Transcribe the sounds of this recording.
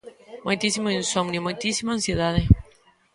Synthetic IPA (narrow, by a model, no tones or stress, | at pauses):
mojt̪isimuẽnsomnomojt̪isimɐɐ̃sieðaðɪ